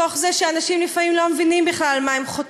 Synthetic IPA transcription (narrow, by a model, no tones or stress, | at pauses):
oχzeʃeanaʃimlifamimlomevinimbiχlalmaemχot